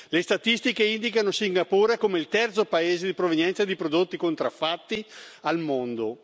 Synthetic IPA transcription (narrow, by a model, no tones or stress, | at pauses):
lest̪at̪ist̪ikeind̪ikanosiŋɡapoːɾekomeilt̪ɛrt̪sopaeːzed̪ipɾovenjɛnt̪sad̪ipɾod̪ot̪ːikont̪ɾafːat̪ːialmond̪o